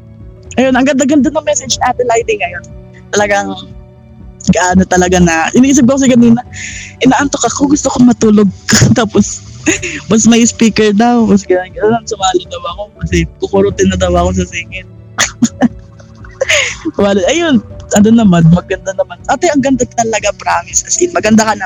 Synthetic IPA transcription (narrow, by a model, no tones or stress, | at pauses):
ʔɐjonɐŋɡɐnd̪aɡɐnd̪anɐŋmɛsɛd͡ʒaːt̪ɪlajt̪ɪŋːɐjon | t̪ɐlɐɡɐŋ | ɡɐʔaːnot̪ɐlɐɡanɐʔɪniisɪb̚kɐkos̬ɪkɐniːnɐʔɪnaːʔant̪okɐkoɡʊst̪okoŋmɐt̪uːloɡ̚t̪aːpos | mɐsmɐjspiːkɛɹd̪ɐwmɐs̬ɡɐnaɡɐɐnɐnsʊmaːlʊd̪ɐwɐko̞kɐsɛkʊkʊɾot̪ɪnɐd̪ɐwɐko̞s̬ɐsɛŋɛt̪̚ | sʊmaːloɐjonʔɐnd̪onːɐmanmɐɡɐnd̪anɐmanʔaːt̪oʔɐŋɡɐnd̪at̪ɐlɐɡapɾaːmɪskɐsɪmɐɡɐnd̪akɐnɐ